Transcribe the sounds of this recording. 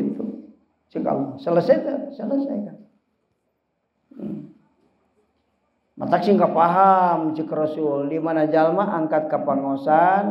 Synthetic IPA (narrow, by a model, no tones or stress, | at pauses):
it̪u | t͡ʃika̰lasələsajt̪asələsajkan | ma̰t̪aksiŋkapaɦamt͡ʃikəɾɔsulːimanad͡ʒalmaʔaŋkat̪̚kapaŋosan